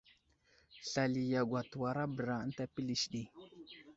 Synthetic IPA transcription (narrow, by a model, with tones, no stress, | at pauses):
ɬa˨li˨ja˨ɡʷa˨tu˨wa˨ɾa˦bə˨ɾa˨˦n˦ta˦pi˦li˨ʃɗi˦